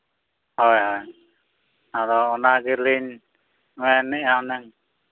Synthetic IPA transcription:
hɔjhɔj | adɔːnaɡiɾliɲ | ɛnːɛʔaɔnɛŋ

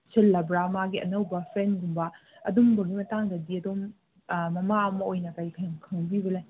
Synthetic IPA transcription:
selːɐbɾamaɡiʔɐ̰nɐwbɐpʰendumbɐ | ɐ̰dumbɐɡimɐtaŋdɐdiɐdom | mɐmaɐmɐojnɐkajkʰamkʰɐŋbibɐlaj

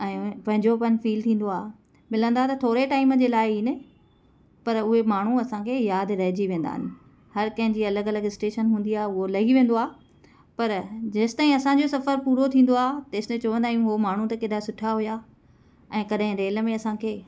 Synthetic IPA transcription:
ɛ̃ːpɐ̃ɦɪ̃ɲd͡ʑopɐnfiːlt̪ʰĩːn̆d̪oaː | mɪlə̃nd̪aɦet̪ɐt̪ʰoːɾeʈaːɪmd͡ʑeːlaːɪɦiːnɪ | pɐɾʊɦemaːɳ̤uɐsãkʰeːjaːd̪ɾɐɦɪd͡ʑiʋẽːn̆d̪a̰ːɦɪ̰nɪ̆ | hɐɾkɐ̃ɦɪ̃ɲd͡ʑiːɐləɡɐləɡɪsʈeːʃənɦũːnd̪iaːɦeʊɦolɐɦiʋẽːn̆d̪oaː | pɐɾd͡ʑɐst̪aːĩɐsãɲd͡ʑosɐfəɾpuːɾot̪ʰĩːn̆d̪oaːt̪ɐɪst̪ẽt͡ɕɐʋə̃nd̪aːijũɦomaːɳ̤ũt̪ɐked̪asʊʈʰaɦuja | ɛ̃ːkɐɗɦɪ̃ɾeːlə̆mẽɐsãkʰeː

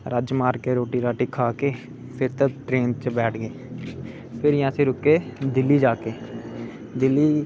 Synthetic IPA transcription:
ɾəd͡ʒmaːɾkeːɾoːʈiːɾaːʈiːkʰaːkeː | pʰɪɾt̪ãːʈɾeːnt͡ʃbɛːʈʰɡeː | pʰɪɾjãːseːɾʊkːeːd̪ɪlːiːd͡ʒaːkeː | d̪ɪlːiː

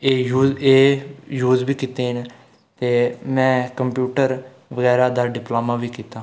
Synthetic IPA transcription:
eːjuːeːjuːzbiːkiːt̪eːɦɪn | t̪eːmɛ̃ːkəmpjuːʈəɾ | ʋəɡɛːɾaːd̪aːɖɪploːmaːʋiːkiːt̪aː

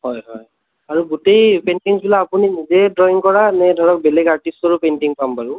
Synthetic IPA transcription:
ɦɔjɦɔj | aɹuɡutejpenʈiŋbilaːpuninizɛdɹɔjiŋkɔɹanɛdʱɔɹɔk̚belɛɡaɹʈistɔɹupenʈiŋpampaɹʊ̃

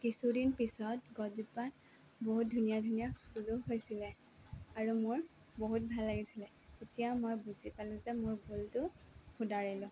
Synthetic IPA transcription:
kisudinpisɔt̚ɡɔdupan | boɦut̚dʱunijadʱunijaxuluɦojsilɛ | aɹumʊɹ | boɦut̚bʱalːaɡisilɛ | tetijamojbuzipalʊ̃zɛmʊɹbultʊxʊdaɹilʊ̃

